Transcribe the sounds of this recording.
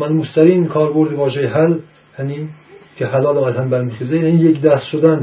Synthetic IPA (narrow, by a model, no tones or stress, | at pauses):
mænmost̪ʰæɾiːnkʰɒːɾboɾd̪ɪvɒːʒejeɦæl | jæni | kʰehælɒːlɒæzhæmbæɾmixezejanijecʲd̪æst̪ʃod̪æn